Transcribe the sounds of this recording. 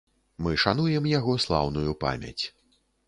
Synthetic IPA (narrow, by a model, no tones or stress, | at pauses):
mɨʂan̪ujɛmjaɣɔslˠa̰wnujupa̰mʲa̰t͡sʲ